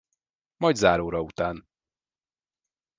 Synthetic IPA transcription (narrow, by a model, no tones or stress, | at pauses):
mɒjd̪zaːɾoːɾɒut̪aːn